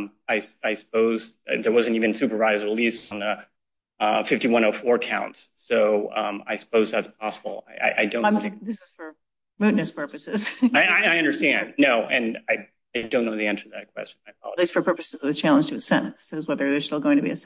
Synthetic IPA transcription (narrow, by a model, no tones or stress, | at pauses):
m | aɪsaɪsə̥poʊzʌ̰ðə˞wʌzɨ̃n̩tivɨ̃nsʉpə˞vaɪzɹilisn̩ə | ʌfɪftiwʌ̃ɾ̃oʊfɔɹkʰã̰ʊ̃ntssoʊʌ̃a̰ɪsə̥poʊzðætsp̚ʰɑsəbl̩ˠa̰ɪʔa̰ɪʔaɪdõʊ̃ðɪsɨz̥fə˞ | ɹʉnɨspʰɜ˞pɨsɪz̥aɪaɪaɪʌ̃ndə˞stæ̃nnnːoʊʔɨ̃naɪ | aɪdõʊ̃nːoʊðiɛ̃nsə˞ʌðɨt̚kʰw̥ɛ̰st͡ʃn̩aɪkʰɑ̰lˠɪsfə˞pʰɜ˞pɨsɨzʌvɨt͡ʃʰælˠə̃nd͡ʒɨɨsɛ̃nn̩sɨzwɛðə˞ðə˞stɪlˠɡoʊɪ̃ŋtʰɨbiɨs